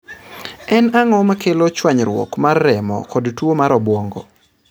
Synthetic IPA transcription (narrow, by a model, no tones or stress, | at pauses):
ɛnaŋɔmakelot͡ʃwaɲɾwɔ̰kmarːɛmɔ̰kɔdtwomaɾɔbwɔŋɡo̰